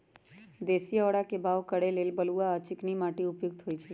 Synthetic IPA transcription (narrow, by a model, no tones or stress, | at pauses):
d̪esiɔɽakebʱaʋkəɽelelbəluaət͡ʃɪknimaʈeʊpjuɡ̚t̪ʰoit͡ʃʰe